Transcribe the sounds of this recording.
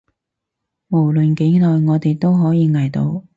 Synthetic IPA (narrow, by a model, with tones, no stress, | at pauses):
mo˨˩wlɵ˨nke˨˥lɔː˨jŋɔː˨˧t̪e˨jt̪o˥wɦɔː˨˥jiː˨˧ŋɐ˨˩jt̪o˨˧w